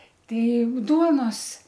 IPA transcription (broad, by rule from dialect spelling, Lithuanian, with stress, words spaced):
ˈtʲɛɪ ˈduɔnoːs